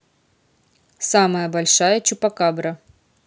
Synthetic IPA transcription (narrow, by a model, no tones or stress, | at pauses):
saməjəbɐlʲʂajət͡ɕʊpɐkabɾɐ